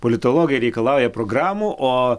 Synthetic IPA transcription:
polʲɪt̪olˠoːɡʲɪjɾʲɛɪkɐlˠɑʊjɛpɾoɡɾɑːmuʔʔoː

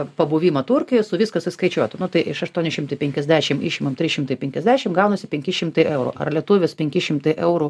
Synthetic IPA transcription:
pɐbuːʋʲiːmɐt̪ʊɾʲkʲɪjɔsʊʋʲiskɐsɐɪskɐɪt͡ʃʲuɔt̪ʲʊnʊt̪ɐɪʔɪʃɐʃt̪uɔnʲɪʃʲɪmt̪ɐɪpʲɛŋʲkʲɛzʲd̪ʲæːʃʲɪmɪʃʲɪmɐmtʲɾʲɪʃʲɪmt̪ɐɪpʲɛŋkʲɛzʲdʲæːʃʲɪmɡɐʊnɐsʲɪpʲɛŋʲkʲɪʃʲɪmt̪ɐɪʔɛʊɾʊ̰ʔɐ̰rlʲiɛt̪ʊʋʲespʲɛŋʲkʲɪʃʲɪmt̪ɐɪʔɛʊɾu

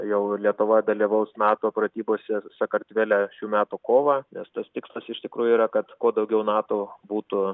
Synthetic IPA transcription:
jɛʊlʲiɛt̪ʊʋɐd̪ɐlʲiʋɐʊsnɑːt̪oːpɾɐt̪ʲiːboːsʲɛsɐkɐrt̪ʲʋʲeːlʲæʃʲuːmʲæːt̪uːkoːʋɑːnʲɛst̪ɐst̪ʲɪkslˠɐsɪʃt̪ʲɪkɾuːjʊiːɾɐkɐt̪koːd̪ɐʊɡʲɛʊnɑːt̪oːbuːt̪ʊ

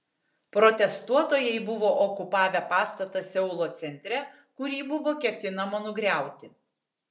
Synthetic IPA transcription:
pɾɔt̪ʲɛst̪uɔt̪oːjɛɪbʊʋoːʔɔkʊpɑːʋʲɛpɑːst̪ɐt̪ɐsʲɛʊlˠoːt̪sʲɛnʲt̪ʲɾʲɛ | kʊɾʲiːbʊʋoːkʲɛt̪ʲɪnɐmonʊɡɾʲæˑʊt̪ʲɪ

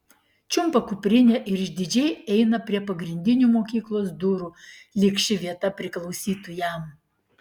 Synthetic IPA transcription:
t͡ʃʲʊmpɐkʊpʲɾʲɪnʲeːʔɪɾɪʒʲd̪ʲɪd͡ʒʲɛɪɛɪnɐpʲɾʲiɛpɐɡɾʲɪnʲd̪ʲɪnʲuːmoːkʲiːklˠoːsd̪ʊɾuːlʲɪkʃʲɪʋʲiɛt̪ɐpʲɾʲɪklˠɒʊsʲiːt̪ʊjɛm

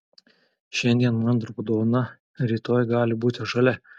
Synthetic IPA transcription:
ʃʲɛnʲd̪ʲiɛnmɐnd̪ɾʊpʊd̪oːʋnɐ | ɾʲiːt̪oːjɡɑːlʲɪbuːt̪ʲɪʒɐlʲɛ

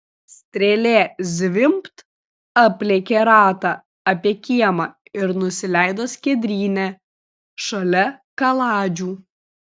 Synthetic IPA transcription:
sʲt̪ʲɾʲelʲeːzʲʋʲɪmpt̪ | ɐpʲlʲeːkʲeɾɑːt̪ɑ | ɐpʲiɛkʲiɛmɑ | ɪɾnʊsʲɪlʲæˑɪd̪oːsʲkʲɛd̪ʲɾʲiːnʲæ | ʃɐlʲɛkɐlˠɑːd͡ʒʲuː

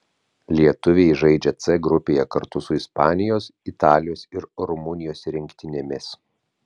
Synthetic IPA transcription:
lʲiɛt̪ʊʋʲeɪʒɐɪd͡ʒʲɛt̪sɛɡɾʊpʲeːjɛkɐɾt̪ʊsʊɪspɑːnʲɪjoːsit̪ɑːlʲɪjoːsɪɾɾʊmʊnʲɪjoːsɾʲɪŋʲkʲt̪ʲɪnʲemʲɪs

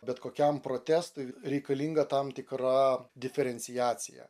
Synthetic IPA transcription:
bʲɛt̪koːkʲɛmpɾoːt̪ʲæːst̪ʊɪɾʲɛɪkɐlʲiŋɡɐt̪ɐmt̪ʲɪkɾɑd̪ʲɪfʲɛɾʲɛnʲsʲɪjæːt̪sʲɪjɛ̰

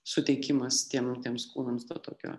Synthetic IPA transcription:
sʊt̪ʲɛɪkʲɪmɐst̪ʲiɛmt̪ʲiɛmskuːnɐmsd̪oːt̪o̰ːkʲo̰ː

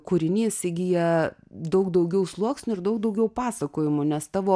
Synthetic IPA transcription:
kʊɾʲɪnʲiːsʲɪɡʲɪjjɛ | d̪ɐʊkd̪ɐʊɡʲɛʊslˠuɔksʲnʲʊɪɾd̪ɐʊk̚d̪ɐʊɡʲɛʊpɑːsɐkoːjɪmʊnʲɛst̪ɑːʋoː

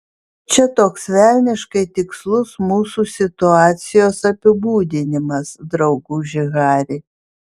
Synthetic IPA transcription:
t͡ʃʲɛt̪oːksʋʲæˑlʲnʲɪʃkɐɪt̪ʲɪkslˠʊsmuːsuːsʲɪt̪ʊɑːt̪sʲɪjoːsɐpʲɪbuːd̪ʲɪnʲɪmɐsd̪ɾɐʊɡuːʒʲɪɣɑːɾʲeː

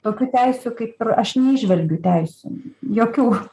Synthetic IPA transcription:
t̪oːkʲuːt̪ʲɛɪsʲʊkɐɪpɪrɐʃnʲɛɪʒʲʋʲɛlʲɡʲʊt̪ʲɛɪsʲṵːjoːkʲuː

